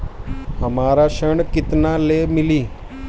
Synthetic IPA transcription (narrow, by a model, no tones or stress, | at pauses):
ɦəmaːɾaɕəɳkɪt̪nalemɪliː